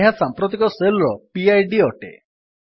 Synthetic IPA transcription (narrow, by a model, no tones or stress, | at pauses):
eɦasampɾut̪ikɔselɾɔpiajɖiɔʈḛ